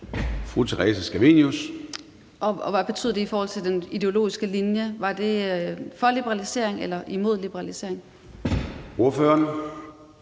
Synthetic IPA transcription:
fʁut͡sʰeʁɛsəsɡ̥æʋe̝njus | ʔɒ̽ɒʋæb̥e̝t͡sʰy̰ðˠd̥eifɒːhɒl̰t͡sʰe̝ld̥enid̥e̝o̝lo̝̰ːisɡ̥əlinjəʋɑ̈d̥e̝fɒ̽lib̥əʁɑlise̝̰ɐ̰eŋelɐʔimo̝ð̰ˠlib̥əʁɑlise̝̰ɐ̰eŋ | o̝ɐføːɐn

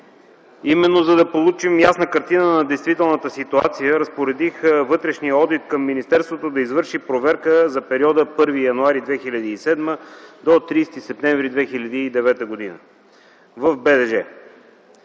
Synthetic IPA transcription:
imɛnːozɐd̪ɐpolˠut͡ʃimjasnəkɐɾt̪inənɐd̪ɛjst̪vit̪ɛlˠnət̪əsit̪ua̰t̪sijəɾɐspoɾɛd̪ixvɤt̪ɾɛʃnijəɔd̪it̪kɐmːinist̪ɛɾst̪vot̪od̪ɐizvɤɾʃipɾovɛɾkəzɐpɛɾiɔd̪əpɤɾvijɐnuaɾid̪vɛxilʲɐd̪iːsɛd̪məd̪ot̪ɾiːst̪isɛp̚t̪ɛ̃ɱvɾid̪vɛxiʎʲəd̪iːd̪ɛvɛt̪əɡod̪inə̰ | vəfbɛd̪ɛʒɛ

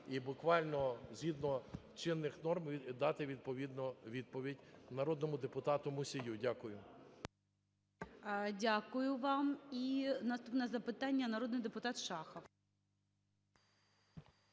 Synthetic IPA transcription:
ibʊkʋɑlʲnɔzʲɦʲid̪nɔt͡ʃɪnːɪxnɔrmd̪ɑt̪ɪʋʲid̪̚pɔʋʲid̪nɔʋʲid̪̚pɔʋʲidʲnɐɾɔd̪nɔmʊd̪epʊt̪ɑt̪ʊmʊsʲijudʲakʊjʊ | dʲakʊjʊʋɑminɐst̪upnɛzɐpɪt̪ɑnʲːɐnɐɾɔd̪nɪjd̪epʊt̪ɑt̪ʃɑxɐw

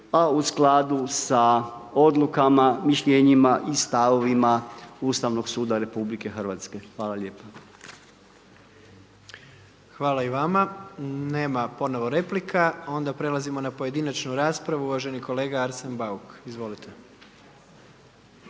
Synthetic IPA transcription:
ausklaːd̪usao̞d̪lukamamiʃʎeɲimaʔist̪aʋo̞ʋimaust̪aʋno̞ɡsuːd̪aɾe̞publike̞xrʋaːt̪ske̞xʋaːlˠaʎeːpa | xʋaːlaiʋamane̞ːmapo̞noʋoɾe̞plikʰao̞nd̪apɾe̞lazimo̞napo̞je̞d̪inat͡ʃnuɾaːspɾaʋuuʋaʒe̞niko̞le̞ːɡaaɾsenbaukizʋo̞lit̪ʰe̞

